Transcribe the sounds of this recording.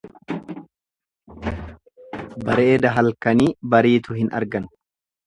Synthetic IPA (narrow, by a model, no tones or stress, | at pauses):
bɐɾeːd̪ɐɦɐlkɐniːbɐɾiːt̪ʊhɪnɐ̰ɾɡɐn